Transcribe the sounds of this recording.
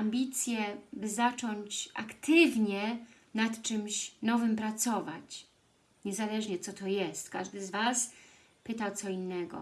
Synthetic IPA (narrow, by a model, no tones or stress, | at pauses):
ambʲit̪sʲjɛbɘzat͡ʂɔɲt͡ɕa̰kt̪ɘvɲɛ | nat̪t͡ʂɘmɕnɔvɘmpɾat̪sɔvat͡ɕ | ɲɛzalɛʐɲɛt̪sɔt̪ɔjɛst̪kaʐd̪ɘzvas | pɘt̪awt̪sɔinːɛɡɔ̰